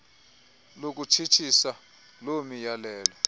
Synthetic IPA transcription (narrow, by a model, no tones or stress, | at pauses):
lok̬utʰitʰisa | lomijalɛːlɔ